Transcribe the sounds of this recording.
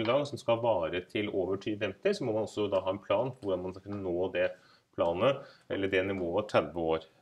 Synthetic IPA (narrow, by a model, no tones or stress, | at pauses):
əɡɑŋːsɔmskɑʋɑːɾət̪ʰɪloːʋəʈʰyːʋfɛmt̪ɪsɔmɔmɑnɔsːɔd̪ɑːɦɑːɛnpʰlɑːnpɔʋʊɖɑnmɑnskɑkʰʉnːənoːd̪ɛ | pʰlɑːnəɛ̰lːəɖɛnɪʋoːəɑʈ̪ʰɾæd̪ʋəoːɾ